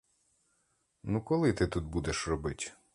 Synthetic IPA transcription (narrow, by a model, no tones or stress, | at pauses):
nukɔlˠɪt̪ɪt̪ut̪̚bud̪ɛʃrɔbɪtʲ